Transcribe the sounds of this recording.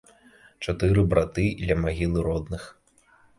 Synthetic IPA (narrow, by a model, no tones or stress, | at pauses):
t͡ʂat̪ɨɾɨbɾat̪ɨd̪lʲɐmaɣʲilˠɨɾɔd̪nɨx